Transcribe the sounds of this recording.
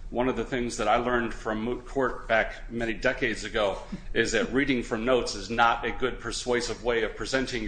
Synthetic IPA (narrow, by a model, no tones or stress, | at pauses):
wʌ̃nʌvðɨθɪ̃ŋzðɨɾaɪlɜ̃˞nd̥fɹʌ̃mːut̚kʰɔɹt̚b̥æk | mɛñidɛkeɪdzɨɡoʊɪzðɨt̚ɹiɾɪ̃ŋfɹʌ̃mnoʊtsɨznəɾɨɡʊd̚pʰə˞sweɪsɨvweɪʌv̥pʰɹ̥izɛ̃ntɪ̃ŋ